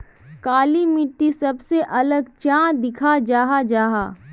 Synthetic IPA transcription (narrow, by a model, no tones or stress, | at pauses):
kaːlimɪʈːisɐbseʔɐləɡt͡ʃãːd̪ɪkʰad͡ʒaːɦad͡ʒaːɦaː